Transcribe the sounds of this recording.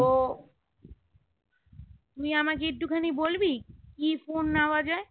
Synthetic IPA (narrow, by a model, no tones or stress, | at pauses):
o | t̪uĩamãkeeʈːukʰənibolbikifonːaʋad͡ʒae